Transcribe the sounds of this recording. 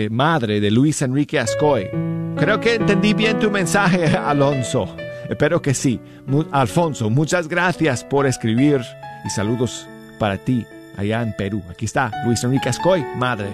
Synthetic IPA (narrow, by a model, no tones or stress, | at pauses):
maðɾeðeluisenrikeaskojkɾe̞okeːnt̪end̪iβje̞nt̪umẽnsaxealo̞nso̞espeɾoke̞si | mualfo̞nsomut͡ʃazɣɾaθjaspo̞ɾeskɾiβiɾisaluðo̞s | paɾat̪i | a̰ʝaempeɾuakiest̪alwisenrikeaskojmaðɾḛ